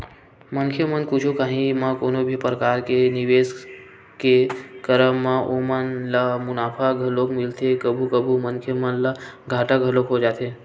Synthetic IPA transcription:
mənkʰjemənkut͡ʃʰokaːɦĩmãkonobʱipɾəkaːɾkeniʋes | kekəɾəmːãʔomanlamʊnaːpʰaɡʱəlokmɪlt̪ʰekəbʱukəbʱumənkʰjəmənla | ɡʱaːʈaɡʱəlokɦod͡ʒaːt̪ʰe

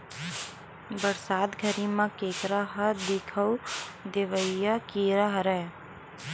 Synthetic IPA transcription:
bəɾsaːd̪ɡʱəɾimãkeːkɾəɦəd̪ɪkʰəwd̪eʋəjakiɾəɦɾɛ

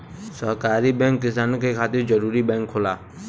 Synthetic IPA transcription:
səɦkaːɾibɛ̃ːŋkːɪsaːnõkʰekʰaːt̪ɪɾd͡ʒəɾuːɾibɛ̃ːŋkʰːoːlaː

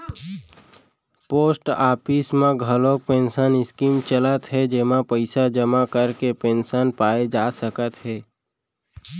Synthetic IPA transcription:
poːsʈaːpɪsmẽɡʱəlõk̚pẽːnsənɪskiːmt͡ʃələt̪ɦɛd͡ʒemapəɪsad͡ʒəmakəɾkepẽːnsaːnpaːed͡ʒaːsəkət̪ɦɛː

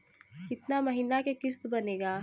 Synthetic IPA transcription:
kɪt̪namɐɦiːnakekɪst̪bɐneːɡaː

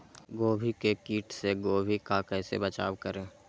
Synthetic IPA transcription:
ɡoːbʱikekiːʈseɡoːbʱikakɛːsebət͡ʃaːwkəɾẽː

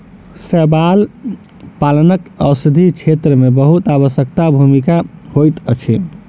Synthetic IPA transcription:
səbal | palənəkəwsəd̪ʱit͡ʃʰet̪ɾəmebəɦut̪aβəsək̚t̪abʱumikahojt̪ət͡ʃʰḭ

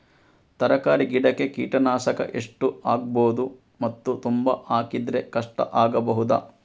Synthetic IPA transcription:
t̪ɐɾɐkaːɾiɡiɽɐkːekḭːʈɐnaːʃɐkɐ̰ʔeʂʈuaːɡ̚boːd̪u | mɐt̪ːut̪umbɐʔaːkid̪ɾe̞kɐʂʈɐ̰ʔaːɡɐbɐɦud̪a̰ː

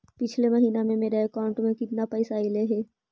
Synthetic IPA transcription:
pɪt͡ʃʰleməɦiːnamẽmeːɾaekaːʊ̃ɳʈmẽkɪt̪napɐɪsaileɦɛː

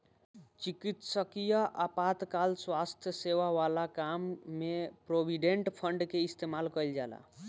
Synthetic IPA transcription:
t͡ʃikit̪səkijaʔapat̪kalswast̪ʰjəseʋaʋalakamːepɾobiɖeɳʈpʰəɳɖkeist̪ʰemalkəjld͡ʒala̰

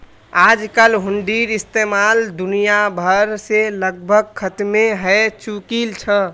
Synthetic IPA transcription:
ad͡ʒkəlɦuɳɖiɾist̪emald̪unijabʱəɾseləɡ̚bʱəɡ̚kʰət̪meɦɛt͡ʃukilt͡ʃʰə

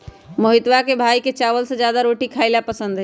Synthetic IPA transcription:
məɦɪt̪ʋakebʱaːiket͡ʃaːʋəlsed͡ʒjaːd̪aɾoːʈikʰaːɪlapəsə̃nd̪ɦɛ

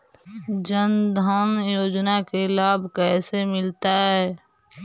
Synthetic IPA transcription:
d͡ʒənd̪ʱənjoːd͡ʒnakelaːbʱkɛːsemɪlt̪aɦɦɛː

